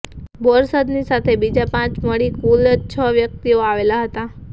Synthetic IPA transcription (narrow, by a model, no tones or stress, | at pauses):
bɔɾsəd̪nisat̪ʰebid͡ʒapãt͡ʃməɽikulət͡ʃʰəʋjək̚t̪ioaʋelaɦət̪a